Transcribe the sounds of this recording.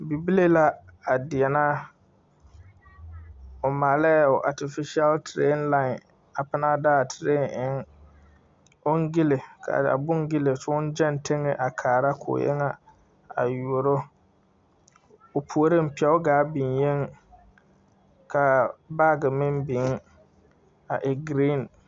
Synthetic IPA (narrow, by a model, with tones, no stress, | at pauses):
bi˨bi˦le˦la˦a˨dɪ˨ɛ˨na˦ | ʊ˨maː˨lɛ˦˨ʊ˨ʔa˨tɪ˨fɪ˦ʃa˦ltʰɾḛ˦nla˦˨ | a˨pɪ˦na˦daː˦˨tʰɾe˦nɪ˦ŋ | ʊ˦ŋ˦ɡɪ˦le˨kʰa̰˨da̰˨bʊ˦ŋ˦ɡɪ˦lɪ˨sʊ˦ʊ˦n˦d͡ʒɛ˦n˨tʰe˦ŋɪ˦ʔa˨kʰaː˨ɾa˦kʰʊ̰˨jɛ̰˦ŋa˦ | a̰˨ju˨o˨ɾo˦ | ʊ˨pʰu˨o˨ɾɪ˦m̩˨pi˨ɛ˦ʊ˦ɡaː˨˦bi˨nje˦ŋ | kʰa˨ba˦˨ɡɪ˨mɪ˦mbɪ˨˦ŋ˦ | a˨ʔɪ˨ɡɾi˦˨n